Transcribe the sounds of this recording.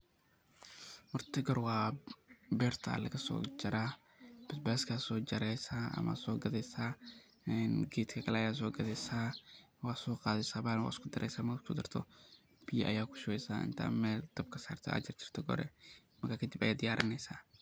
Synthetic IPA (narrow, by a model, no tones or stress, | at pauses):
mʊrt̪ʰɪɡɔɾwɑː | bɛːrt̪ʰɐ̰lɐɣɐsɔ̰ːd͡ʒɐɾa | b̥ɪsbaːskʰaːsɔːd͡ʒɐɾɛjsaːʔɐ̰mɐ̰sɔːɡɐðɛsaː | nɡeːt̪kʰɐkʰɐlɛɐjaːs̬ɔːɡɐðɛsaː | wɑːsɔːqɑːðɪsaːbaːnwa̰ːɪskʰʊd̪ɐɾɛ̰jsaːmɐkʰʊd̪ɐrt̪ʰɔ | b̥ɪjɐʔɐ̰jaːkʰʊ̥ʃʊwɛjsa̰ːʔɪ̰nt̪ʰa̰ːmɛːld̪̥ɐb̚kʰɐ̥saːrt̪ʰɔ̰ɐ̰d͡ʒɐrt͡ʃʰɪ̥r̥t̪ʰɔɡɔ̰ɾɛ̰ | mɐrkʰaːkʰɐd̪ɪbɐ̰jaːd̪ɪjaːɾʔɪnɛjsaː